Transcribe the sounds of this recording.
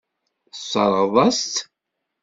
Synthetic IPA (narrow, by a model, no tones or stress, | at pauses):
sˤːɑ̰ɾˤʁðˤɑst̪